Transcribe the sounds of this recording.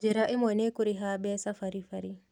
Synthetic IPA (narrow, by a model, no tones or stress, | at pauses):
d͡ʒiɾaʔemɔnekuɾiɦabɛsafaɾifaɾi